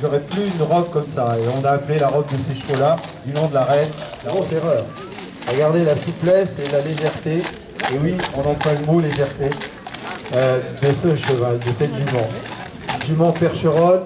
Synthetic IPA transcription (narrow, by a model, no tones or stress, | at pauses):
ʒɔʁɛplyynʁɔb̚kɔmsaeɔ̃naːplelaʁɔb̚d̪əseʃfolad̪ylɔ̃d̪əlaʁɛnlaɡoseʁœːʁ | ɡaʁd̪elasuplɛselaleʒɛʁt̪eː | wiɔ̃nɑ̃plwaləmoleʒɛʁt̪e | ød̪əsəʃəvald̪əsɛt̪ʒymɑ̃ | ʒymɑ̃pɛʁʃəʁɔl